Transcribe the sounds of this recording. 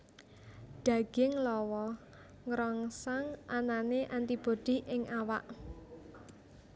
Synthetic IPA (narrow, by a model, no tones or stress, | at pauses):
ɖ̥ä̤ɡ̥ɪŋlɔwɔ | ŋɾɔŋsaŋʔananeʔant̪ib̥o̤d̪̥i̤ʔɪŋʔawaʔ